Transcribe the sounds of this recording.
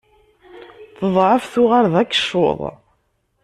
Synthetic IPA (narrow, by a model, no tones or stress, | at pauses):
θəðˤʕəfθʊʁaɾðækːə̥ʃo̰ðˤ